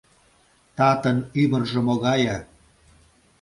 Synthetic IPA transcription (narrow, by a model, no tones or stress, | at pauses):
t̪ɑt̪ə̆nymə̆rʒɤ̆moɣɑjɑ